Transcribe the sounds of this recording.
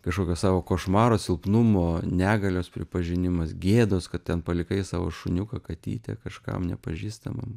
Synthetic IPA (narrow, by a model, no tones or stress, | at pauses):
kɐʃkoːkʲoːssɑːʋoːkoːʃmɑːɾoːsʲɪlˠpnʊmoːnʲæːɡɐlʲoːspʲɾʲɪpɐʒʲɪnʲɪmɐsɡʲeːd̪oːskɐt̪tʲɛnpɐlʲɪkɐɪsɑːʋo̰ʃʊnʲukɐkɐt̪ʲḭːt̪ʲɛ̰kɐʃkɐ̰mnʲɛ̰pɐʒʲiːst̪ɐmɐ̰m